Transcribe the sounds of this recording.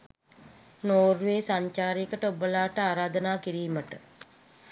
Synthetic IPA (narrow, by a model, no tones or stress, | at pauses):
noːrʋeːsaɲt͡ʃaːɾiəkəʈəubəlaːʈəaːɾaːd̪ənaːkiɾiːməʈə